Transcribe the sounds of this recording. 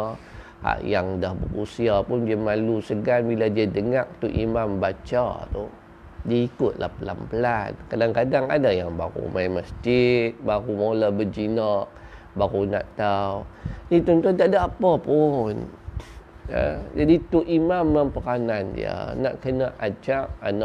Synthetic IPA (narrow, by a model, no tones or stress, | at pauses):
ha̰ʔjaŋdahbə̰ɾṵsiapʊndiamalusəɡanbiladiadəŋaʔ̚t̪uʔḭmambat͡ʃa̰t̪u | diaikʊt̪̚lʔa̰hpəla̰mpəlankadaŋkadaŋa̰dajaŋbaɾṵmajməsd͡ʒit̪̚baɾumalabəd͡ʒinaʔ | baɾuna̰ʔt̪awnit̪ɔnt̪uant̪aʔdaapapʊn | ə̰d͡ʒadit̪uʔimamːəmpəɾanandḭə̰naʔkənaʔad͡ʒaʔanaʔ